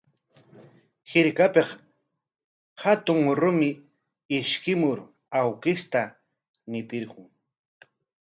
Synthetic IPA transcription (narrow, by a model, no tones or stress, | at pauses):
hɪɾkapeχ | hat̪ʊŋɾʊmɪ | ɪʃkɪmʊɾ | awkɪst̪a | nɪt̪ɪɾqʊŋ